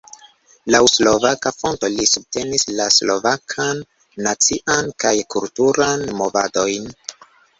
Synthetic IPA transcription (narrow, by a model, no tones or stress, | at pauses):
lawslo̞vakafo̞nto̞lisub̚te̞nislaslo̞vakʰanː | at͡siʔankajkultuɾanmo̞vado̞jn